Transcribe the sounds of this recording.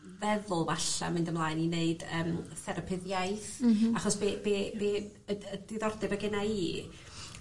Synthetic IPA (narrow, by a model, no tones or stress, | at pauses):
vɛðʊlˠvaɬa̰mɪndəmlˠaːɨnineɨd̥əːmθɛɾəpʰɪðjaɨθaχɔsb̥eːbeːbeː | əd̥ɪðɔrdɛbəɡɪnaiː